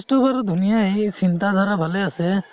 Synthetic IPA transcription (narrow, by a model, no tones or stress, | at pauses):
stubɔɾd̪ʱunijaejsintad̪ʱaɾabʱalɛasɛ